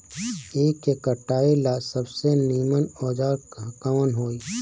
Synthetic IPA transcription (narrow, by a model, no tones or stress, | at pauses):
eːkːekəʈːaːelasəbseniːmənɔːd͡ʒaːɾkamənɦoːiː